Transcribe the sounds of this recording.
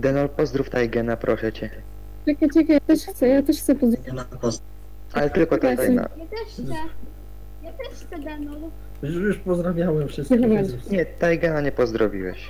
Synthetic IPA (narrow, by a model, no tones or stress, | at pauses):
d̪ɛnɔlpɔzd̪ɾuft̪ajɡɛnapɾʔɔʂɛt͡ɕɛ | t͡ɕɛkat͡ɕɛkajat̪ɛʂxt̪sɛjat̪ɛʂxtsɛpɔzd̪ɾapɔ | alɛt̪ɘlkɔt̪ɔt̪ajna̰ | t̪ɛʃɛ | jat̪ɛʃ | ɛd̪ɛnɔl | jujuʂpɔzd̪ɾavʲjawɛmfʂɨsɲɛt̪ajɡɛnaɲɛpɔzd̪ɾɔvʲḭwɛ̰ɕ